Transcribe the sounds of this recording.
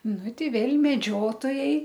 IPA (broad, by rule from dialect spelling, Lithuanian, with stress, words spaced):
ˈnʊ ˈtʲɛɪ ˈʋʲeːlʲ mʲɛˈd͡ʒʲoːtoːjɛɪ